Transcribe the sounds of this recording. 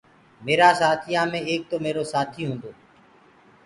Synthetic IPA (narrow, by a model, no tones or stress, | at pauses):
meːɾaːsaːt̪ʰɪjãːmẽːeːk̚t̪oːmeːɾoːsaːt̪ʰiːɦũːnd̪oː